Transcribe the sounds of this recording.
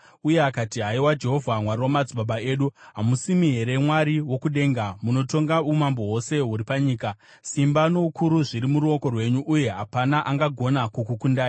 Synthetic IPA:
uje̞akatiɦaiwad͡ʒe̞ɦo̞vʱamwariwamad͡ziɓaɓae̞ːɗuɦamusimiɦe̞ɾe̞mwaɾiwo̞kuɗe̞ːŋɡamuno̞to̞ŋɡaumambo̞wo̞se̞ɦuɾipaɲiːka | simbano̞ukʰuɾuʐiɾimuɾuo̞ko̞rwe̞ɲuʔuje̞ɦapanaʔaŋɡaɡʱo̞nakukukundaːji

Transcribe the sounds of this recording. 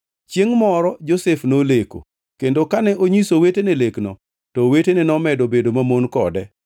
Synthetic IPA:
t͡ʃeŋmɔɾɔd͡ʒosɛfnoleko̰ | kendokanɛʔoɲisoweteneleknɔ | tɔwetenɛnɔmɛdobedomamonkɔ̰dɛ

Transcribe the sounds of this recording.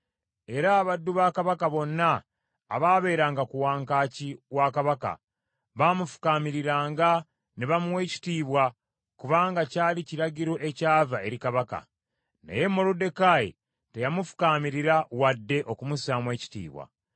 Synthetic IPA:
e̞ɾaːβadːuβaːkaβakaβo̞nːa̰ː | βaːβe̞ːɾaːŋɡakuwaːŋkaːciwakaβaka̰ | βaːmufu̥kaːmiɾiɾaːŋɡa | neβamuwe̞ci̥tiːβwa | kuβaːŋɡacaːliciɾaɟiɾo̞ʔe̞caːvae̞ɾikaβaka̰ | na̰je̞mo̞ɾude̞kajḛ | te̞jamufu̥kaːmiɾiɾawadːe̞ʔo̞kumusaːmwe̞ːci̥tḭːβwa̰

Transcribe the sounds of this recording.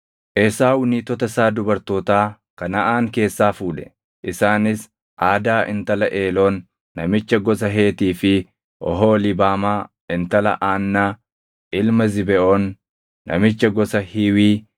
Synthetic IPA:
ʔɛsaːwʊniːt̪ɔt̪ɐsaːd̪ʊbɐɾt̪oːt̪aː | kɐnɐʔaːŋke̞ːsːaːfuːᶑɛ̥ | ʔɪsaːnɪs | ʔaːd̪aːʔɪ̰nt̪ɐlɐʔeːloːnː | ɐmɪt͡ʃːɐɡɔs̬ɐɦe̞ːt̪iːfɪ | ʔɔ̰ɦoːlɪbaːmaː | ɪnt̪ɐlɐ̰ʔaːnːaː | ʔɪlmɐzɪbɛʔoːnː | ɐ̰mɪt͡ʃːɐɡɔsɐhɪwiː

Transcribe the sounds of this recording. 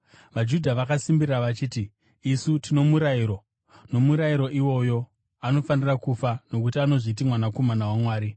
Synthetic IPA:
ʋad͡ʒudʱaʋakasimbirraʋat͡ʃiːtiː | sutino̞muɾaiɾo̞ | no̞muɾaiɾo̞ʔiwo̞jo̞ | ano̞fanirakufano̞k̬utiano̞ʐit̬imwanako̞manawamwaːɾi

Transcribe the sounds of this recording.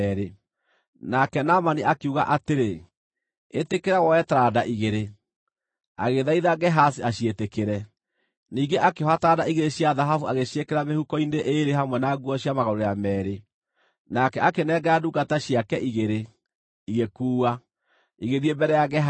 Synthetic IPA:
ɾe | nakɛnamaniʔakuɣa̰ʔateɾe | etekeɾawɔɛtadaʔiɣeɾe | a̰ɣeðaiðaɣɛɦas̬iaɕjetekeɾɛ | niːŋɡeʔakehɔatadaiɣeɾeɕjaðaɦafuaɣeʃekeɾamehukɔineʔeɾeɦamwɛnaɡuɔɕjamaɣɔɾojamɛːɾe | nakɛakenɛɡɛaduɡataɕjakɛʔiɣeɾe | iɣekuːa | iɣeðiebɛɾɛjaɣɛɦ

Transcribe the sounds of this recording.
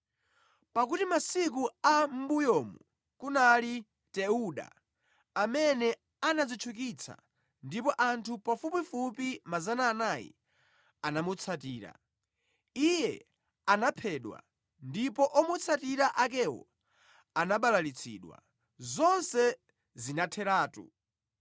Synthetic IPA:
pak̬utimasikuam̩bujɔːmu | kunali | tɛuɗa̰ː | mɛnɛ | anad͡zit͡ʃʰuk̬it͡sʰa̰ | ndipɔʔantʰupafupifupimazanaːnajḭ | anamut͡sʰatiːɾa̰ | ijɛ | anapʰɛːɗwa̰ | ndipɔʔɔmut͡sʰatiɾaʔakɛwɔ̰ | anaɓalalit͡sʰḭːɗwa̰ | zɔnsɛ | zinatʰɛɾaːtṵ

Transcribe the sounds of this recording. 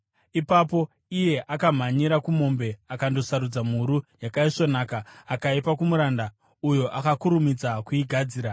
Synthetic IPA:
ipapo̞ | ije̞ʔakam̤aɲiɾakumo̞mbe̞akando̞saɾud͡zam̤uɾujakaiʂo̞naːkaːkaipakumuɾanda | ujoʔakakuɾumid͡zakuiɡʱad͡ziːɾa

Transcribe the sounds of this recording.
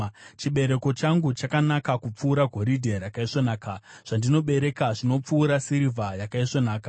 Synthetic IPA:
t͡ʃiɓe̞ɾe̞ko̞t͡ʃaŋɡut͡ʃakanakakup͡fuːɾaɡʱo̞ɾidʱeɾakaiʂonaːkaʐ̥andino̞ɓe̞ɾe̞kaʐino̞p͡fuːɾasiɾivʱajakaiʂonaːka

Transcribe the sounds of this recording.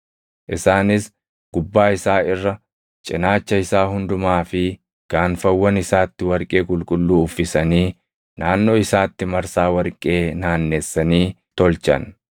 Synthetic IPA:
ʔɪsaːnɪs | ɡ̥ʊbːaːɪsaːɪrːɐ | t͡ʃʼɪnaːt͡ʃːɐɪsaːɦʊnd̪ʊmaːfɪ | ɡ̥aːnfɐwːɐnɪsaːt̪ːɪwɐɾkʼe̞ːkʼʊlkʼʊlːuːʊfːɪsɐniː | naːnːo̞ːɪsaːt̪ːɪmɐɾsaːwɐɾkʼe̞ːnaːnːe̞ːsːɐniː | t̪ɔlt͡ʃɐ̰n

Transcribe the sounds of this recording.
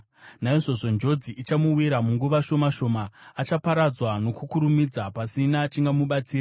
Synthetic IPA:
naiʐo̞ʐo̞nd͡ʒo̞d͡ziʔit͡ʃamuwiɾamuŋɡuʋaʃo̞maʃo̞maːt͡ʃapaɾad͡zwano̞kukuɾumid͡zapasinat͡ʃiŋɡamuɓat͡siːra

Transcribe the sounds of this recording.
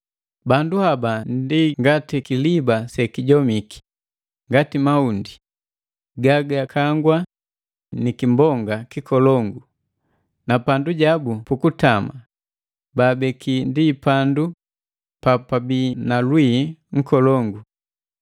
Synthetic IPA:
banduhabandiŋɡatikilibasɛkiɟɔmiki̥ | ŋɡatimaundi | ɡaɡakʰaŋɡwa | nikimbɔŋɡakikɔlɔŋɡu | napanduɟabupukutama | baːbɛkindipandu | papabiːnalwiŋ̩kɔlɔŋɡu

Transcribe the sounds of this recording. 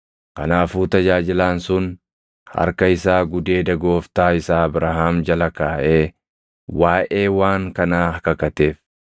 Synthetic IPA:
kɐnaːfuːt̪ɐd͡ʒaːd͡ʒɪlaːnsʊn | hɐ̰ɾkɐɪsaːɡʊd̪e̞ːd̪ɐɡo̞ːft̪aːɪsaːɐbɾaɦaːmd͡ʒɐlɐkaːʔeː | waːʔeːwaːŋkɐnaːɐkɐkɐt̪e̞ːf

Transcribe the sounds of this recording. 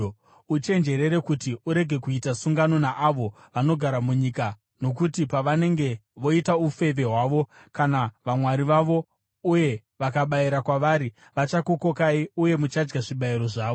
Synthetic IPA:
ut͡ʃe̞nd͡ʒe̞ɾe̞ɾe̞kutiuɾe̞ɡʱe̞kuitasuŋɡano̞naʔaʋo̞ | ʋano̞ɡʱaɾamuɲika | no̞kutipaʋane̞ŋɡe̞ʋo̞itaufe̞ʋe̞ɦwaːʋo̞ | kanaʋamwaɾiʋaʋo̞ | uje̞ | ʋakaɓaiɾakwaʋaɾi | ʋat͡ʃako̞ko̞kaiuje̞mut͡ʃad͡ʒɡaʐiɓaiɾo̞ʐaːʋo

